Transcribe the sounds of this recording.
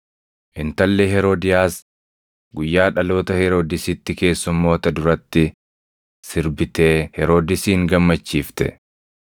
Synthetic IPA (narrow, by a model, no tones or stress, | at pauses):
ʔɪnt̪ɐlːeːɦɛɾoːd̪ɪjaːs | ɡʊjːaːᶑɐlo̞ːt̪ɐhɛɾoːd̪ɪsɪt̪ːɪke̞ːsːʊmːo̞ːt̪ɐd̪ʊɾɐt̪ːɪ | sɪɾbɪt̪e̞ːhɛɾoːd̪ɪsiːŋɡɐmːɐt͡ʃːiːft̪ɛ̰